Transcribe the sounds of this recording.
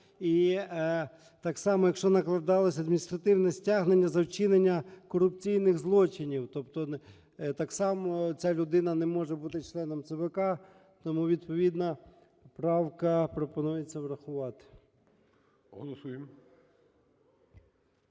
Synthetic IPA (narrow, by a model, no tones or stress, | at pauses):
i | t̪ɑksɑmɔjɐkʃt͡ʃɔnɐklˠɐd̪ɑlˠɔsʲɐd̪mʲinʲist̪ɾɐt̪ɪwnɛsʲtʲaɦnenʲːɐzɐwt͡ʃɪnenʲːɐkɔɾʊpt͡sʲijnɪxzlˠɔt͡ʃɪnʲiwt̪ɔpt̪ɔ | t̪ɑksɑmɔt͡sʲalʲʊd̪ɪnɐnɛmɔʒɛbut̪ɪt͡ʃlˠɛnɔmt̪sɛbɛkɑ | t̪ɔmuʋʲid̪̚pɔʋʲid̪nɐ | pɾɑwkɐpɾɔpɔnujet͡sʲːɐʋɾɐxʊʋɑt̪ɪ̥ | ɦɔlˠɔsujem